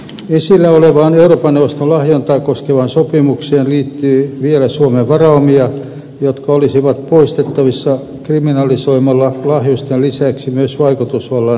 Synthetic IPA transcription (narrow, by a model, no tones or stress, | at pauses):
esilːæoleʋɑːneuroːpɑnːeʋˑost̪olɑhjont̪ɑikoskeʋɑnsopimukseːnliːt̪ːyːʋielæsuomeʋʋɑrɑmiɑ | jot̪kɑolisiʋɑt̪̚poist̪et̪ːɑʋisːɑ | kriminɑlisoimɑlːɑlɑhjust̪ellisæksimyøsʋɑikut̪usʋɑlːɑ